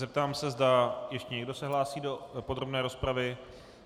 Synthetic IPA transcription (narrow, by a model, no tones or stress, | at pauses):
zɛp̚t̪aːmsɛzdajɛʃcɛɲɛɡdo̞sɛɦlaːsiːdo̞pod̪ɾobnɛːɾo̞spɾavɪ